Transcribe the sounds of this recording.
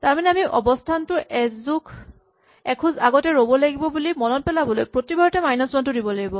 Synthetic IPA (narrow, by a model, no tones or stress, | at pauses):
taɹmanɛamiʔɔbɔstʰantʊʔɛzzukʰ | ɛkʰuzaɡɔtɛɹobɔlaɡibɔbulimɔnɔt̚pɛlabɔlojpɹotibaɹɔtɛmajnɔsmantʊdibɔlaɡibɔ